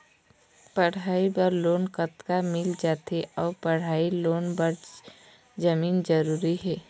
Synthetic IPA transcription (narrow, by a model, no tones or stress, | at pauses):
pəɽ̤aːibəɾloːnkət̪kamɪld͡ʒaːt̪eʔɔːɾpəɽ̤aːiloːnbəɾ | d͡ʒəmiːnd͡ʒəɾuːɾiɦɛː